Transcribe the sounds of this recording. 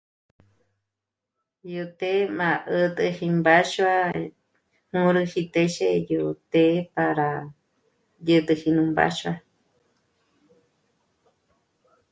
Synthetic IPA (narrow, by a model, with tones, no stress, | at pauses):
jut̪e˦mã˨ʔə˧t̪ɨ˧hi˧mbaʃua˦ | hũ˦ɾɨ˧hi˧t̪e˧ʃejo˧t̪e˦paɾa | jɨ˧t̪ɨ˧hi˧nũ˧mba̰ʃwa